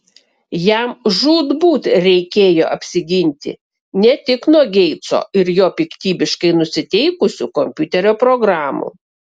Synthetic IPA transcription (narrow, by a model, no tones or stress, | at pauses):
jæmʒuːd̪buːt̪ɾʲɛɪkʲeːjo̰ːʔɐpʲsʲɪɡʲɪnʲt̪ʲɪ̰ | nʲɛt̪ʲɪknuɔɡʲɛɪt̪so̰ːɪɾjoːpʲɪkt̪ʲiːbʲɪʃkɐɪnʊsʲɪt̪ʲɛɪkʊsʲṵːkomʲpʲʊt̪ʲɛɾʲoːpɾoɡɾɑːmṵː